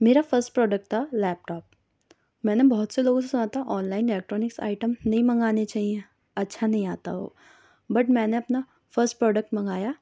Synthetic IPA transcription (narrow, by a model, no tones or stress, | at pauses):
meːɾafəɾsʈ̚pɾɔːɖək̚ʈ̪alɛːp̚ʈɔːp̚ | mɛ̃ːnebɔɦʊt̪seloːɡõs̬esʊnaːt̪aʔɔːnlaːɪnɪleːk̚ʈɾɔːnɪksa̰ːɪʈəmnɐɦĩmɐ̃ŋɡaːnet͡ʃaːɦie | ɐtːʃʰanɐɦĩaːt̪a̰ɦo̰ː | bɐʈmɛ̃ːneɐpna | fəɾsʈ̚pɾɔːɖək̚ʈmɐ̃ŋɡaːjaː